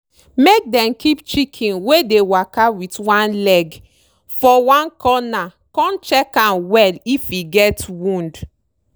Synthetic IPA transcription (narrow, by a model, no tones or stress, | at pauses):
mek̚dɛ̃mkipt͡ʃikʰĩnwedewakawitwãnlɛɡ | fɔwãnkɔna | kɔ̃nt͡ʃɛkãnwɛlifiɡɛtwũnd